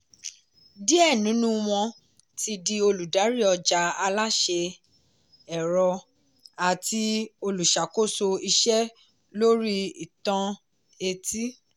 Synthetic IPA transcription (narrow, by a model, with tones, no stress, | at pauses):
di˦ɛ˦˨nũ˨˦nũ˦w̃ɔ̃˧ | ti˧di˧o˧lu˨da˨˦ɾi˦˨ɔ˧d͡ʒa˧˦a˧la˦ʃe˧ | ɛ˨ɾɔ˧ | a˨ti˧o˧lu˨ʃa˨ko˦˨so˧i˧ʃɛ˦ | lo˦ɾi˦i˨tã˧ | e˧ti˦